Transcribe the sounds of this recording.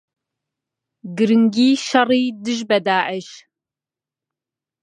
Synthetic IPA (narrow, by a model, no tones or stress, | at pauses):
ɡɨɾɨŋɡiːʃɐriːdɨʒbɐd̪aːʕəʃ